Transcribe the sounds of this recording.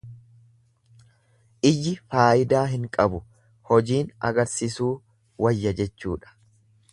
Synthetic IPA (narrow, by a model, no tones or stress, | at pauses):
ʔɪjːɪfaːʔɪd̪aːɦɪŋkʼɐbʊ | hɔd͡ʒiːnɐ̰ɡɐɾsisuː | wɐjːɐd͡ʒɛt͡ʃːṵːᶑɐ̥